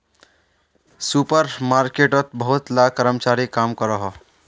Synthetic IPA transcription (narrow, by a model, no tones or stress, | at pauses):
supəɾmaɾkeʈət̪bəɦut̪lakəɾəmt͡ʃaɾikamkəɾəɦɔ